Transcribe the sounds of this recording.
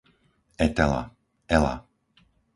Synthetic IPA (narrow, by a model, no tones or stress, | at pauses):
ɛt̪ɛla̰ | ɛla̰